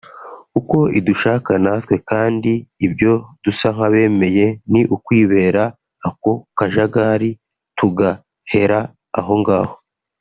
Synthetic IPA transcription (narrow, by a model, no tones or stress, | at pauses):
kuko̞iduʃaːkanatwe̞kaːndiibjo̞d̥usaŋ̥aβe̞ːme̞je̞niʔukwiːβe̞ːɾaː | ko̞kaʒaɡaːɾi | tuɡa | he̞ɾa | a̰ɦo̞ŋɡaːho̞